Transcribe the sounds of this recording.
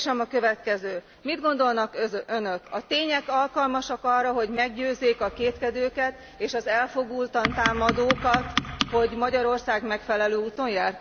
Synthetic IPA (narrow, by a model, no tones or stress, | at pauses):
ʃɛmɒkø̞vɛt̪kɛzøː | mid̪ɡo̞nd̪o̞lnɒkønøkɒt̪eːɲɛkɒlkɒlmɒʃɒkɒrːɒɦo̞ɟmɛɡɟøːzːeːkɒkeːt̪kɛd̪øːkɛt̪ | eːʃɒzɛlfo̞ɡuːlt̪ɒnt̪aːmɒd̪oːkɒt̪ho̞ɟmɒɟɒɾo̞rsaːɡmɛkfɛlɛløːuːt̪o̞njaːr